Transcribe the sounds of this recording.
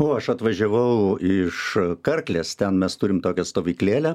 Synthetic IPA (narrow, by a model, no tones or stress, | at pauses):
oːɐʃɐt̪ʋɐʒʲɛʋɐʊɪʃkɐrklʲeːst̪ʲɛnmʲɛst̪ʊɾʲɪmt̪oːkʲɛst̪oːʋʲiːklʲeːlʲɛ